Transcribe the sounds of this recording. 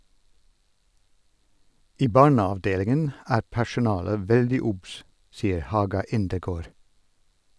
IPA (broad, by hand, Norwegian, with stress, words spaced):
ˈiː ˈbɑːɳɑʋˌdeːlɪŋən ˈæːɾ pæʃʊˈnɑːlə ˈʋɛldɪ ˈʊbs ˈsiːəɾ ˈhɑːɡɑ ˈɪndəˌɡoːɾ